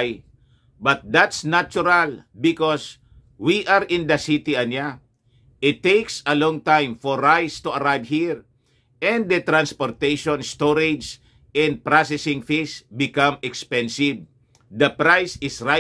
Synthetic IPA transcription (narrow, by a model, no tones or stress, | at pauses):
j | bɐt̪̚d̪at̪snat͡ʃʊɾalbɪkɔs | wiʔaɾɪ̃nd̪ɐsit̪iɐnja | ʔɪt̪ːejksɐlɔ̃ŋt̪ãjmfɔɹːajst̪uɐɾajvhiɹ | ʔɛ̃nd̪̚d̪ɐt̪ɾãnspoɾt̪ejʃɔ̃nst̪oɾɪd͡ʒs | ɛ̃nd̪̚pɹasɛsɪ̃ŋfisbɪkãmɛkspɛ̃nsɪv | d̪ɐpɾajsɪsɾa